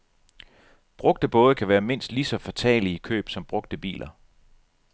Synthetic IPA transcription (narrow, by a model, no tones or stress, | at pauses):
b̥ʁɔ̽ɡ̥̚d̥əb̥ɔ̽ːðˠəkʰæʋæːɐme̝n̰sd̥lisɒ̽fæt͡sʰɛ̰ːliikʰø̰ːb̥sɒ̽mb̥ʁɔ̽ɡ̥̚d̥əb̥ḭːlʔɐ